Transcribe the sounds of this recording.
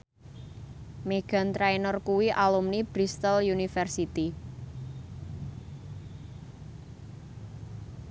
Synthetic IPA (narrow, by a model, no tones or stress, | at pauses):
meɡ̥a̤nt̪ɾajnɔrkuwiʔalumnib̥ɾist̪əljunifɛrsit̪i